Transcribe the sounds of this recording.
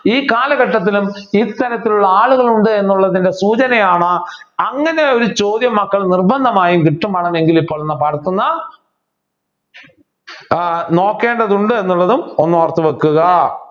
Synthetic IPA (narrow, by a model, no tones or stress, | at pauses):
iːkaːlɐɣɐʈːɐt̪̬ːilumit̪ːɐɾɐt̪ːiluɭːɐaːɭuɣɐɭuɳɖɨe̞nːuɭːɐðinde̞suːt͡ɕɐnɐjaːɳɨɐŋːɐne̞o̞ɾut͡ɕo̞ːd̪jɐmːɐkːɐɭnirbɐnd̪ʱɐmaːjumkiʈːumpɐɳɐne̞ŋɡilipːo̞ːɭenːɐpɐɾɐt̪ːunːɐ | no̞ːkːe̞ːɳɖɐðuɳɖɨe̞nːuɭːɐðumonːoːrt̪ːɨʋekːuɣɐ